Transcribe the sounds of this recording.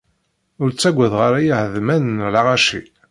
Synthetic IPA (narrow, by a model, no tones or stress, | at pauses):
ʊɾt͡sːæɡʷːæðʁaɾæjahəðmænnlaʁaʃḭ